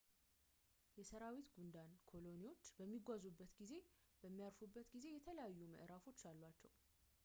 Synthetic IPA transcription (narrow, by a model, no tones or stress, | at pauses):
jɛsəɾawit̪ɡund̪ankʰo̞lo̞niwo̞t͡ʃːbəmːiɡʷazubːət̪ɡize̞b̥əmːijaɾfubːət̪ɡize̞jɛt̪ʰələjajːumə̰ʔɾafo̞t͡ʃːalːwat͡ʃːɛw